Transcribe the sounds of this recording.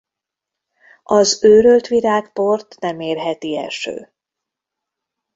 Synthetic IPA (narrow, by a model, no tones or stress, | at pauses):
ɒzøːɾølt̪ʋiɾaːkpo̞rt̪nɛmeːrɦɛt̪iɛ̰lʃø̰ː